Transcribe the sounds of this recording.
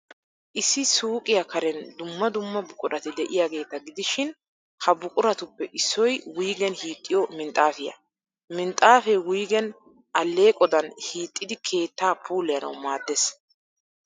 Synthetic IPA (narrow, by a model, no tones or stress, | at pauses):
ʔɪsːɪsuːkʼɪjɐkɐɾɛnd̪ʊmːɐd̪ʊmːɐbʊkʼʊɾɐt̪ɪd̪ɛʔɪjaːɡe̞ːt̪ɐɡɪd̪ɪʃɪn | hɐbʊkʼʊɾɐt̪ʊpːɛʔɪsːɔjwujɡɛnhiːt̪ʼːɪjɔmɪnt̪ʼaːfɪjɐ̰ | mɪnt̪ʼaːfɛwʊjɡɛn | ʔɐlːe̞ːkʼɔd̪ɐnhiːt̪ʼːɪd̪ɪkʰe̞ːt̪ːaːpʰuːlɪjɐnɐ̰wmaːd̪ːes